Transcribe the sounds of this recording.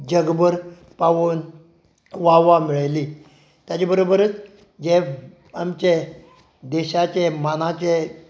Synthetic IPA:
d͡ʑəɡbəɾ | paʋon | ʋaʋamiɭajli | t̪jat͡ɕebəɾobəɾət͡s | d͡ʑe | amt͡ɕe | d̪ɛɕat͡ɕemanat͡ɕe

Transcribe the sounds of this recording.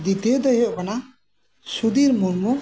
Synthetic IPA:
d̪it̪ed̪ɔjɔʔkana | sud̪iɾmunmɔ

